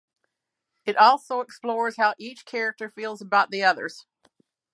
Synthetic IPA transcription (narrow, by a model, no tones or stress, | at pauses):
ɨɾʔɔlˠsoʊəksplɔɹz̥haʊʔit͡ʃkʰɛɹɨk̚tə˞filˠzəbaʊt̪̚ðiʌðə̰˞z̥